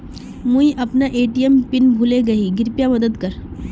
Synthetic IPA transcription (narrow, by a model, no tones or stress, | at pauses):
mũiʔɐpnaʔeːʈijəmpɪnbʱuleɡɐiɡɪɾpjamɐd̪əd̪kəɾ